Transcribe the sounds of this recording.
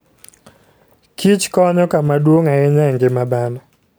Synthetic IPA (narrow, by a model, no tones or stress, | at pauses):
kʰit͡ʃkɔɲɔkamadwoŋaɛɲɛŋɡɪmabanɔ